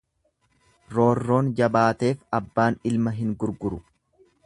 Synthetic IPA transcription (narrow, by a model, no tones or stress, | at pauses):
ɾo̞ːrːo̞ːnd͡ʒɐbaːt̪e̞ːfɐbːaːnɪlmɐɦɪŋɡʊɾɡʊɾʊ